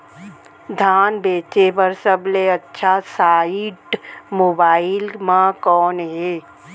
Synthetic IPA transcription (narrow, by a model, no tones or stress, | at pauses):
d̪ʱaːnbeːt͡ʃepəɾsəbleətːʃʰasaːɪʈmoːbaːɪlmãkɔːnɦeː